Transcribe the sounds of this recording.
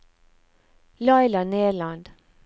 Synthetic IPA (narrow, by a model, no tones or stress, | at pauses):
lɑɪlɑneːɭɑnd̪